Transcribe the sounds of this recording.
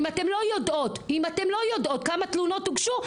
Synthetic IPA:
matemlo̞jodo̞timatemlo̞jodʔo̞t̚kamat̪luno̞t̪̚ːuɡʃu

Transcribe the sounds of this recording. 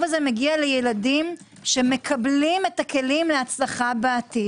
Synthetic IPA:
vazemeɡialejeladim | ʃe̞me̞kʰablimetake̞limleat͡slaχabeːt̪i

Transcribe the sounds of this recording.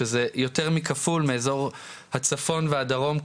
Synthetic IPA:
ezejo̞teʁmikafulmeːzo̞ʁ | hat͡safo̞nveadaʁo̞m

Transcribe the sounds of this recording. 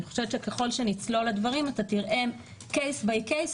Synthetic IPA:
niχo̥ʃevetʃekeχo̞lʃe̞nit͡sloladvaʁimatatiʁʔe̞ | kejsbejkejs

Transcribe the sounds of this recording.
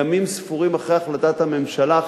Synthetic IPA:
amimsfuʁimaχejaχlat̪at̪hame̞mʃala

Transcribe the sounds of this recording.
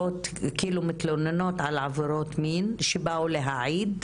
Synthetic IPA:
ot̪kiːlumit̪lonenot̪ʕalʕaveɾot̪minʃebaʔuleɦaʕiːd̪

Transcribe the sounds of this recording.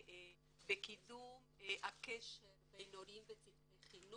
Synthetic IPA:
bekidumeʔakeʃeʁbejnoɾimbet͡sifeχinu

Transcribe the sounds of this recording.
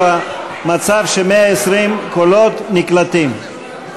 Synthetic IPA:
a | mat͡savʃemeaesʁimkolo̞t̪niklat̪im

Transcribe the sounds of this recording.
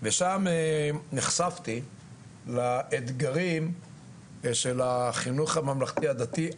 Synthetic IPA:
veʃameniχsaft̪i | laʔed̪ɡaʁim | ʃe̞laχinuχamamlaχt̪iad̪at̪i

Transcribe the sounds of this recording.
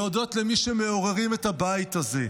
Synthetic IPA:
odo̞tlemiʃemeo̞ʁeʁimetabait̪haze̞

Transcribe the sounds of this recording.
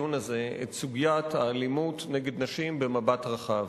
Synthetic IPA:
unaze̞ḛtsuɡijathaːlimutneɡe̞d̪naʃimbe̞mabatʁaχav

